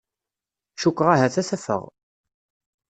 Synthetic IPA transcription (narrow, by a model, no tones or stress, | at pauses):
ʃukʷːʁaɦæθæθæfə̰ʁ